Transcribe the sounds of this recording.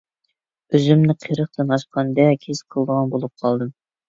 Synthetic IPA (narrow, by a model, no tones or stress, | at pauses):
øzymnɪqʰeɾəχt̪ɑnɑʃqʰɑnd̪ɛkʲʰez̥qʰəlˠd̪əʁɑnbolˠup̚qʰɑlˠd̪ɨm